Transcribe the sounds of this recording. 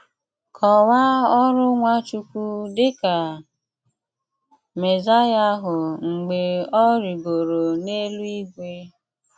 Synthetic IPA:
kʰɔ˨wa˦ɔ˦ɾʊ˦ŋʷa˦t͡ʃu˦kʷu˦dɪ˦ka˨ | me˨za˦ja˦ɦʊ˨ŋ͡m̩˨ɡ͡be˨ɔ˦ɾi˨ɡo˨ɾo˨ne˦lu˦i˦ɡʷe˦

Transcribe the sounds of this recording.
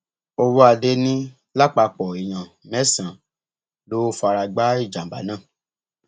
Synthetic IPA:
o˧wo˦a˧˨de˧nĩ˦ | la˦˨k͡pa˧k͡pɔ˨i˨j̃ã˨ | mɛ̃˦sã˨ | lo˦fa˧ɾa˧ɡ͡ba˦i˦˨d͡ʒa˨ba̰˨˦nãː˦˨

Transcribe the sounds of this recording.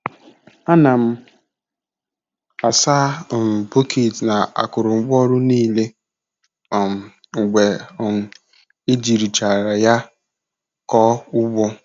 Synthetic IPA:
a˦na˨m̩˦ | a˨saː˦˨m̩˨po˦kʰe˨tna˨a̰˨kʊ˨ɾʊ˨ŋ͡m̩˦ɡ͡bɔ˦ɾʊ˦niː˦˨le˦˨ | m̩˨ | ŋ̩˨ɡ͡bʷe˨˦˨ | e˦d͡ʒi˨ɾi˨t͡ʃa˨ɾa˨ja˦ | kɔ˦ʊ˦ɡ͡bɔ˦

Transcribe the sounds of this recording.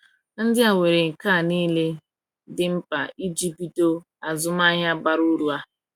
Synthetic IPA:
n̩˦dɪ˦a˨wʷe˨ɾe˨ŋ̩˨ka˦˨niː˦le˦ | dɪ˦m̩˦pa̰˨i˦d͡ʒi˦bi˦to˦ | a˨zʊ˦m˦a˦ɦja˦ba˦ɾu˦ɾu˦a˦

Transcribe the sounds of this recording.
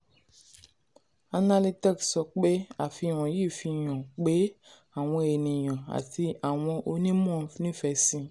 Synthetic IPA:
a˧na˧li˦ti˦ksɔ˨k͡pe˦a˦˨fi˧˦˨w̃ɔ̃˨ji˦˨fi˧˨j̃ɔ̃˨k͡pe˨˦ | a˦˨w̃ɔ̃˧e˨nĩ˨j̃ɔ̃˨a̰˨ti˧a˨w̃ɔ̃˧ʔo˧nĩ˦mɔ̃˦˨˧nĩ˦fɛ˧˦sĩ˧

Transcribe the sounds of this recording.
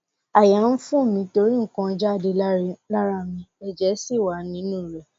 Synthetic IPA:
a˨ja˨˦n̩˦fũ˦˨mĩ˧˦to˧ɾi˦ŋ̩˦kã˧˦d͡ʒa˦˨de˧la˦ɾa˦mĩ˧ɛ˨d͡ʒɛ˨˦si˦˨wa˨˦nĩ˨˦nũː˦˨ɾɛ˨

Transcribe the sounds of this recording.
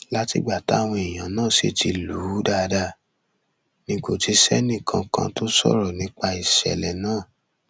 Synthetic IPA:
la˦tḭ˧˨ɡ͡ba˨ta˨˦˨w̃ɔ̃˧i˨j̃ã˨nãː˦˨ʃḛ˧ti˧lu˨˦da˦˧da˧ | nĩ˧ko˨ti˧˦sɛ˦nĩ˦˨kʰã˧kã̰˧to˦sɔ̰˦˨ɾɔ˨nĩ˨˦k͡pa˧i˨ʃɛ̰˨lɛ˨nãː˦˨

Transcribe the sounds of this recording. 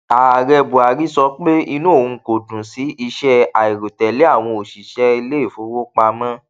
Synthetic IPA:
aː˨ɾɛ˧bo˨a˨ɾi˦sɔ˧˦k͡pe˦i˧nũ˦o˦˨ũ˧˦ko˨dũ˨si˨˦i˧ʃɛ˦a˨i˨ɾo˨tɛ˨le˨˦a˦˨w̃ɔ̃˧o˨ʃi˨ʃɛ˦i˧le˦i˦˨fo˨˦wo˦k͡pa˧mã˦

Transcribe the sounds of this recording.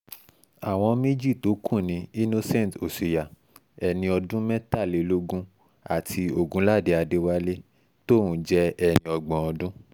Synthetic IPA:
a˨w̃ɔ̃˧mĩ˦d͡ʒi˦˨to˨˦kʰũ˦˨nĩ˨˦i˦no˦sɛ̃˦˨n˨to˨si˨ja˨ | ɛ˨nĩ˧ɔ˧dũ˦mɛ̃˦ta˦˨le˨˧lo˦ɡũ˦ | a̰˨tʰi˧o˨ɡũ˨˦la˦˨de˨˧a˧de˧wa˦le˦ | to˦˨ũ˨˦d͡ʒɛ˦ɛ˧˨nĩ˧ɔ˧ɡ͡bɔ̃˨ɔ˧dũ˦

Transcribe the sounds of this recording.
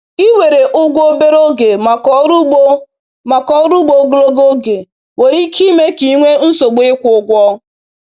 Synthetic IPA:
i˦we˨ɾe˨ʔʊ˦ɡʷo˦be˦ɾo˦ɡe˨ma˨kɔ˦ɾu˦ɡ͡bo˦ | ma˨kɔ˦ɾu˦ɡ͡bo˨ɡo˦lo˦ɡo˦ɡe˨ | we˨ɾi˦kʰi˦me˦ki˨˦ŋʷe˦n̩˦so˨ɡ͡be˦kʷʊ˨˦ɡʷɔ˦

